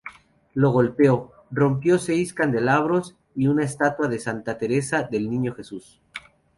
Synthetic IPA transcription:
lo̞ɣ̞o̞lpeo | ro̞mpjo̞se̞jskand̪e̞laβ̞ɾo̞s | iunaest̪at̪waðe̞sant̪at̪e̞ɾe̞saðe̞lnĩɲo̞xesus

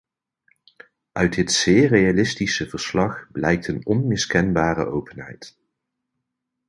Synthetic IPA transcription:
ʔœɥdɪtsɪːrejalɪstisəvəɹslɑχblɛjk̚tənɔnmɪskɛnbaːrə̰ʔowpənɦɛ̰jt

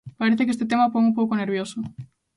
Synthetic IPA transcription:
paɾeθekest̪et̪̬emapoŋũmpowkoneɾβjoso

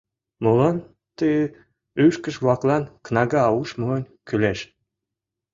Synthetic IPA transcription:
molɑn | t̪əj | yʃkə̆ʃβɑklɑnknɑɣɑːuʃmoənʲ | kyleʃ

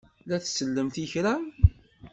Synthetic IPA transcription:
læθsəlːəmθiçɾæ

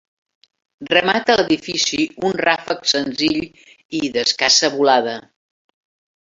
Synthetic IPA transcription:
rəmat̪ələðifisiunrafəksənziʎ | iðəskasəβulaðə

